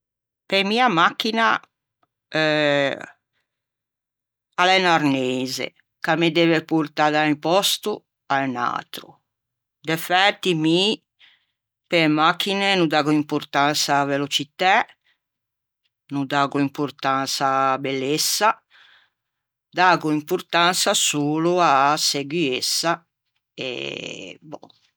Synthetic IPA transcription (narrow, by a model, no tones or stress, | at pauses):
pemiːamakːina | ɛ | alɛnaɾnɛzḛ | kamed̪ɛːvepuɾt̪ad̪aipɔst̪u | ana̰ːt̪ɾṵ | d̪efɛt̪ːimi | pemakːinɛnud̪aːɣuimpuɾt̪ant̪savelot͡ʃit̪a | nud̪aːɣuimpuɾt̪ant̪sabɛlːesːa | d̪aːɣuimpuɾt̪ant̪sasuːluasːeɡwiesːa | ɛ̰bɔ̰